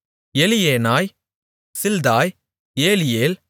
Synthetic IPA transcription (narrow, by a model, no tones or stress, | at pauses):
ɛlɪjeːnaːj | sɪld̪aːj | eːlɪjeːl